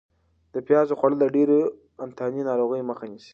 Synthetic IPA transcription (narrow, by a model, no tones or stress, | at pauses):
d̪̥əpjɑzoxaɽəlaɖeɾe | ant̪ʰɑninɑɾoɣəjməxanisi̥